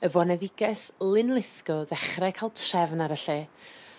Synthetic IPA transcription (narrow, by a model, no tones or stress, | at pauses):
əvɔnɛðɪɡɛslˠɪnlˠɪθkɔðɛχrɛkʰalˠtʰrɛvnaɾəɬɛ